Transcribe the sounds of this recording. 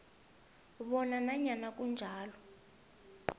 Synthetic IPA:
βɔnanaɲanak̬ʼund͡ʒʱaːlɔ

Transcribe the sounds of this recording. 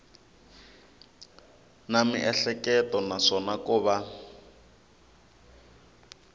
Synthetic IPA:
namḭʔɛɬɛkɛtɔnaʂɔnakuːβa

